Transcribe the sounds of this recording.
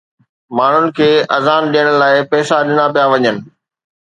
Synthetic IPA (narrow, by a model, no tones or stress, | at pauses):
maːɳ̤ʊnɪ̆kʰeːɐzaːnɗijəɽ̃laːɪpɛːsaɗɪnapijaʋɐɲənɪ̆